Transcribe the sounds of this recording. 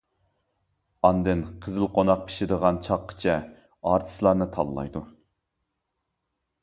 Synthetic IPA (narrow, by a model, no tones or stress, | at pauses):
ɑnd̪ɨnqʰəzɨlˠqʰonɑq̚pʰi̥ʃɪd̪əʁɑnt͡ʃʰɑqʰːə̥t͡ʃʰɛ | ɑːɾt̪ʰɨ̥slˠɑɾnɨt̪ʰɑ̰lˠlːˠɑ̰jd̪u